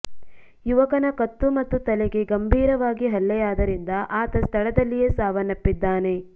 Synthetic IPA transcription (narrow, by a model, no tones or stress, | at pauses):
juʋɐkɐnɐkɐt̪ːumɐt̪ːut̪ɐleɡe̞ɡɐmbʱiːɾɐʋaːɡiɦɐlːɛjaːd̪ɐɾind̪ɐʔaːt̪ɐst̪ʰɐɭɐd̪ɐlːijesaːʋɐnɐpːid̪ːaːne̞